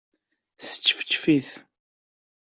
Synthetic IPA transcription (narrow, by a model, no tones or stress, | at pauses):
sə̥t͡sːfə̥t͡ʃːfiθ